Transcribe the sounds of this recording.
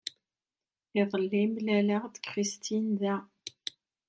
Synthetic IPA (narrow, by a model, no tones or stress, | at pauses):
liðˤəlːimlæləʁd̪kʁist̪ʰinðæ